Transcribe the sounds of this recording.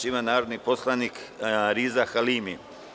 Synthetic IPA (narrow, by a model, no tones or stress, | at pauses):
imanaːɾod̪niposlˠanikɾiːzaxaliːmi